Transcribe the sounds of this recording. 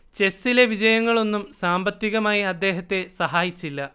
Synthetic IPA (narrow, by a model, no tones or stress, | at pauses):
t͡ɕe̞sːile̞ʋid͡ʑɐjɐŋːɐɭo̞nːumsaːmbɐt̪ːiɣɐmaːjiɐd̪ːe̞ːɦɐt̪ːe̞sɐɦaːjit͡ɕːilːɐ